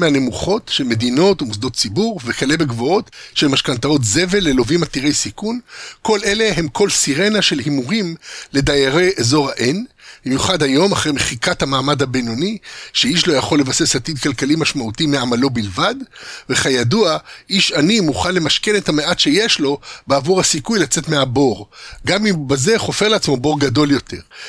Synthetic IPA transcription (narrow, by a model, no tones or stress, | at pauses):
meane̞muχo̞tʃelme̞d̪ino̞tumus̬d̪o̞tt͡sibuʁvekale̞beɡvoo̞tʃelmaʃkant̪ao̞t̪ze̞ve̞lːelo̞vimat̪iʁe̞jsikunko̞le̞le̞ɦemkʰo̞lsiʁe̞naʃe̞lhimuʁimle̞d̪ajaʁejʔezo̞ʁhaʔenbbimjuχadhajo̞maχʁejmeχikathamaːmad̪habeno̞niʃeiʃ̬lo̞jaχo̞lːevase̞shat̪id̪̚kalkalimaʃmautimeamalo̞bilvadve̞χajaduaʔiʃanimuχanle̞maʃkenethameʔat̪ʃe̞jeʃlo̞beavuʁhasikujlat͡se̞tme̞abo̞ʁɡamimbaze̞χo̞feʁleat͡smo̞bo̞ʁɡado̞ljo̞te̞̰ʁ